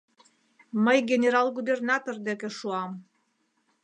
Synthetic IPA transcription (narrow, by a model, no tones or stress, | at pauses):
məjɡʲenʲeɾɑlˠɡubernɑt̪ord̪ekĕʃuɑm